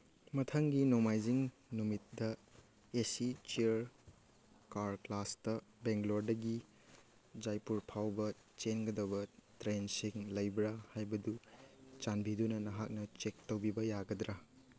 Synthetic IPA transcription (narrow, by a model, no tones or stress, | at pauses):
mɐtʰɐŋɡinomajziŋ | numit̚dɐ | esit͡ʃiɐɾ | kaɾklastɐbeŋɡloɾdɐɡi | d͡ʒajpuɾpʰawbɐ | t͡ʃenɡɐdɐbɐtɾensiŋlɐjbɾahajbɐdut͡ʃanbidunɐnɐɦak̚nɐt͡ʃek̚towbibɐjaɡɐdɾa